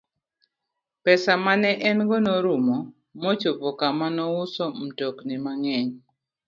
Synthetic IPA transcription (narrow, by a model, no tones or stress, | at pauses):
pɛsamanɛʔɛnɡɔnɔɾumɔ | mot͡ʃopɔkamanɔʊsɔm̩toknɪmaŋɛɲ